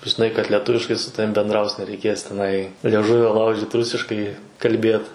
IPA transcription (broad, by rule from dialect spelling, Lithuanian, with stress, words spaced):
ʒʲɪˈnɐɪ kɐt lʲɛˈtʊʋʲɪʃkɐɪ sʊ ˈtɑːʋʲɪm bʲɛndˈrɐʊs nʲɛrʲɛɪˈkʲeːs tʲɛˈnɐɪ lʲiɛˈʒʊʋʲoː ˈlˠɐʊʒʲɪt ˈrʊsʲɪʃkɐɪ kɐlʲˈbʲeːt